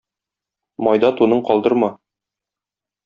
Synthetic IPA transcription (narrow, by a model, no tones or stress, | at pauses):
mɒjd̪ɑt̪unɤɴqɒlˠd̪ɤɾmɑ